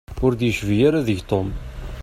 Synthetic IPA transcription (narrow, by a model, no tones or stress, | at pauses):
ʊɾd̪jəʃvijaɾaðəʝt̪ˤom